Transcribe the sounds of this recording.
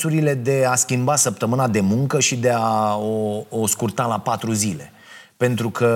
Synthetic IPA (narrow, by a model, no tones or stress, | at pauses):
suɾile̞d̪e̞askʲimbasəp̚t̪əmɨnad̪e̞muŋkəʃid̪e̞aooskurt̪alapat̪ɾuzile̞ | pe̞nt̪ɾukʰə